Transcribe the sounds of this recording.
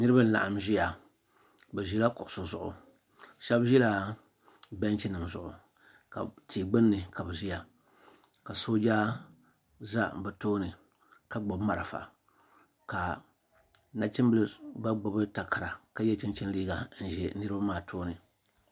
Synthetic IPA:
nɨ˦ɾɨ˦ba˦n̩˦la̰˨ʔa˨mʒi˦ja˨ | bɛ˨ʒi˦la˦kʊ˨ʔʊ˨so˨zʊ̰˨ʔʊ̰˨ | ʃɛ˦bʒɛ˦la˨ | bɛ˦nt͡ʃi˦nɨ˨mzʊ˨ʔʊ̰˨ | ka̰˨tiː˨ɡ͡bɨ˦nːɨ˨ka˨bɨ˨ʒi˦ja˨ | ka˨soː˦d͡ʒaː˦ | za˦bɛ˨toː˦nɨ˨ | ka˦ɡ͡bo˨bma˨ɾɨ˨fa̰˨ | ka˨ | na˨t͡ʃɪ˦mbɨ˦lɨ˦ba˦ɡ͡bʊ˨bɨ˦ta˨ka˨ɾa˨ka˦jɛ˦t͡ʃɪ˦nt͡ʃɛ˦n˦liː˦ɡa˨n̩˨ʒɛ˨nɨ˦ɾɨ˦ba˦maː˦˨tʰoː˦nɨ˨

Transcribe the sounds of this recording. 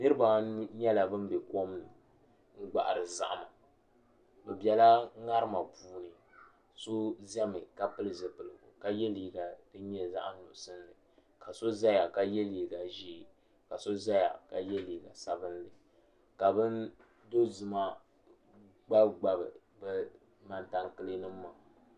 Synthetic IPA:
nɨ˦ɾɨ˦ba˨˦ɲɛ˦la˨bɨ˦n˦bɛ˨ko˦mnɨ˨ | ŋ̩˦ɡ͡ba̰˨ʔa˨ɾɨ˨za̰˨ʔa˨ma˨ | bɛ˨bɛ˨la˦ŋa˦ɾɨ˦ma˨buː˦nɨ˨ | so˦zɛ˦mɨ˨ka˨pɨ˦lɨ˨zɨ˨pɨ˨lɨ̰˨ka˦jɛ˦liː˨ɡa˨dɨ˦ɲɛ˦za̰˦ʔa˦n˦nʊ̰˨ʔʊ˨sɨ˦n˦lɨ˨ | ka˨so˦za˦ja˨ka˦jɛ˦liː˨ɡa˨ʒi˦˨ | ka˨so˦za˦ja̰˨ka˨jɛ˦liː˨ɡa˨sa˨bɨ˦nlɨ˨ | ka˨bɨ˦n | do˦zɨ˨ma˦ | ɡ͡ba˦ɡ͡ba˨bɨ˨ | bɛ˦ | ma˦nta˨ŋkɨ˦lɨ˦nɨ˦mː˦a˨

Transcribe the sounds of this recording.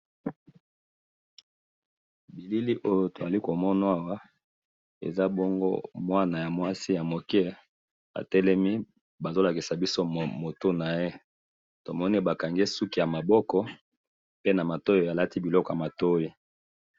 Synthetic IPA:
bi˨li˦li˦ʔo˦jo˨to˨za˨li˦ko˨mɔ˦na˦a˦wa˦ | ḛ˨za˦bɔ˦ŋɡo̰˦mwa˦na˨ja˨mwa˦si˦ja˨mo˨kɛ˦ | a̰˨tɛ˦lɛ˦mi˦ | ba˨zo˦la˨ki˨sa˨bi˦so˦mo˨to˦na˨je˦ | to˨mɔ˦ne˦ba˨ka˨ŋɡe˦su˦ki˦ja˨ma˨bɔ˦kɔ˦ | pe˦na˨ma˨to˦jo˨ja˨la˦ti˦bi˨lɔ˦kɔ˨a˨ma˨to˦ji˦

